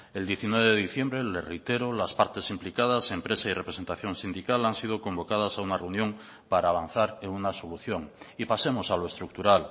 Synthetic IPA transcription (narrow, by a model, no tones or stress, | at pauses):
eld̪jeθinweβeðeðiθje̞mbɾelerejt̪eɾolaspaɾt̪e̞simplikað̞asempɾe̞sairepɾese̞nt̪aθjõ̞nsind̪ikalansið̞oko̞mbo̞kað̞asaunareunjõŋ | paɾaːβan̟θaɾeŋunaso̞luθjo̞ŋipasemosaloe̞st̪ɾuk̚t̪uɾal